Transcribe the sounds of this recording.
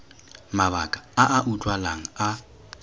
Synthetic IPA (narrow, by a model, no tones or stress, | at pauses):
maβakʼḁaʔaʔutʼwalaŋ̩a